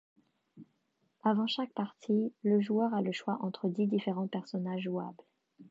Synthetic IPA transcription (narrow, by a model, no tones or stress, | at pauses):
avɑ̃ʃak̚paʁt̪ʰiləʒuœʁaləʃwaʔɑ̃t̪χəd̪id̪ifeʁɑ̃pɛʁsɔnaʒːua̰bl